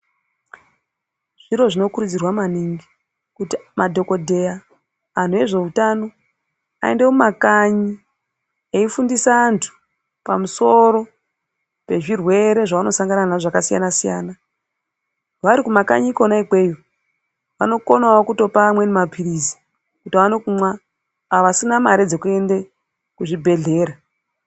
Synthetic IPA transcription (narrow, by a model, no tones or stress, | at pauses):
ʐ̥iɾo̞ʐino̞kuɾud͡zirwamaniŋɡi | kutimadʱo̞ko̞dʱe̞ja | an̤ue̞ʐe̞utano̞ | a̰ende̞mumakaɲi | eifundisaːntʰu̥ | pamuso̞ɾo̞ | pe̞ʐirwe̞ɾe̞ʐaʋano̞saŋɡananaʐakasija̰nasija̰ːna | ʋaɾikumaka̰ɲikonaikwe̞ːjo | ʋa̰no̞konawokuto̞pamwe̞nemapʰirizi̥ | kutianokumwa | aʋasinamaɾed͡ze̞kue̞nde | kuʐibʱe̞ɮe̞ːɾa